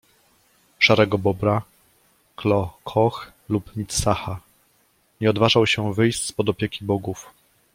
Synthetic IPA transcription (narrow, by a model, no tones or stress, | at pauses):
ʂaɾɛɡɔbɔbɾa | klɔkʰɔx | lupmʲit̪ssaxa | ɲɛɔd̪vaʐawɕɛvɘjsspɔd̪ɔpʲjɛkʲibɔɡuf